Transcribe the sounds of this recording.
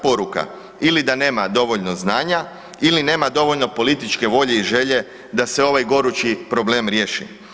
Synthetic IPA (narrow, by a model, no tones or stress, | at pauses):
po̞ɾuka̰ | ilid̪ane̞ːmad̪o̞ʋo̞ʎno̞znaːɲa | iline̞ːmad̪o̞ʋo̞ʎno̞po̞lit̪it͡ʃke̞ʋo̞ʎe̞iʒe̞ʎe̞ | d̪ase̞o̞ʋajɡo̞ɾut͡ʃipɾo̞ble̞ːmɾje̞ːʃḭ